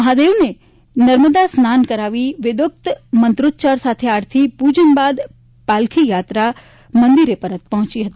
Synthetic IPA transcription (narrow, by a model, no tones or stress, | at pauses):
mɐɦad̪eːʋne | nɐɾməd̪asnaːnkɐɾaːʋiʋɪd̪ʊk̚t̪mə̃nt̪ɾʊt̪t͡ʃaːɾsaːt̪ʰeaːɾt̪ʰipuːd͡ʒənbaːd̪ | paːlkʰijaːt̪ɾa | mɐ̃nd̪iɾepɐɾət̪̚pɐɦʊ̃t͡ʃiɦɐt̪i